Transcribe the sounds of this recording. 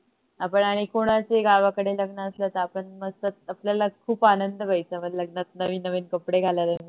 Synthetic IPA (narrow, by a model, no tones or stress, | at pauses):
apəɳaɽ̃ikoɽ̃at͡seɡaʋakəɽeləɡnəːslət̪əapəɳməɡsət̪̚apljalakʰuːpanənd̪ʱəbʱajt͡səmələɡnat̪̚nəʋiːnːəʋiːnkəpɽeɡʱaljaləmi